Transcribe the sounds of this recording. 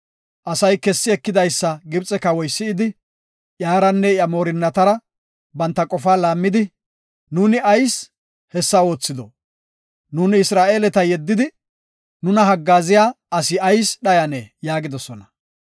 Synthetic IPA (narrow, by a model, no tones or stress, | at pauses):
ʔɐsɐjkɛsːɪɛkːɪd̪ɐjsːɐɡɪbt͡sʼɛkɐwɔjsːɪːd̪ɪ | ʔjaːɾɐnːɛjɐmo̞ːɾɪnːɐt̪ɐɾɐ | bɐnt̪ːɐkʼɔfaːlaːmːɪd̪ɪ | nuːnɪɐjs | hɛsːɐo̞ːt͡sːɪd̪ɔ | nuːnɪɪsɾaːʔe̞ːlɛt̪ɐjɛd̪ːɪd̪ɪ | nʊnɐɦɐɡːaːzɪjaː | ɐsɪɐjsɗɐjɐnejaːɡɪd̪ɔsɔnɐ